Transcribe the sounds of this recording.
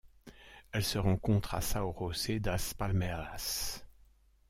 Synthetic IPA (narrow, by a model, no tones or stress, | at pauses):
ɛlsəʁɑ̃kɔ̃t̪χa̰saoʁosed̪aspalmeas